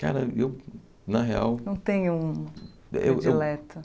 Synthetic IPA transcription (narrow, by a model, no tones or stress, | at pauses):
ka̰ɾɐew | nɐɦea̰wnɐ̃w̃t̪ẽɲʊuũ | ḛwʔewlɛt̪ɐ